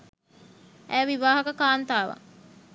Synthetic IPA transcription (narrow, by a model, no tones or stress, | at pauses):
æːʋiʋaːɦɐkəkaːnt̪aːʋa̰